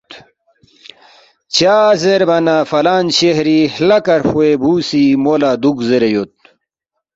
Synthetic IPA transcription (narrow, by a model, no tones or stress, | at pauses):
t͡ɕaːzeɾbɐnafɐlaːnɕehɾihlɐkɐɾfuebʱuːsimolaːd̪ukzeɾejot̪̚